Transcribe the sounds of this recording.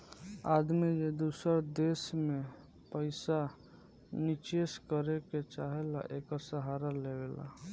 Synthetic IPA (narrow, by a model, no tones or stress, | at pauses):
aːd̪mijed̪usəɾd̪eːsme | pəɪsa | nɪt͡ʃeskəɾeket͡ʃaːɦela̰ʔekasəɦaɾalewela̰